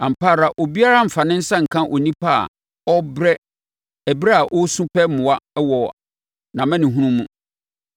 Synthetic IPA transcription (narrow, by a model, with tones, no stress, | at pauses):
ã˨m̩˨pa˦˨ɾa˨ʔo˨bi˦a˦ɾa˦m̩˨fa˨nɪ̃˦n̩˦sã˦ŋ̩˨kʰã˦ʔɔ˨nĩ˦pʰa̰˦˨ | ɔ˦bɾɛ˦ | ɛ˨bɾɛ˦a˨ʔɔ˦sũ˦pʰɛ˦mʊ̃˨wa˦wɔ˨ | nã˨mɛ̃˦nɪ̃˨ɦũ˦nũ˦mũ˦˨